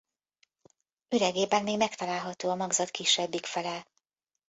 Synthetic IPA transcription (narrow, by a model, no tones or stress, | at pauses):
yɾɛɡeːbaɡmeːɡmɛkt̪ɒlaːlɦɒt̪oːɒmɒɡzɒt̪kiʃːɛbːikfɛlɛl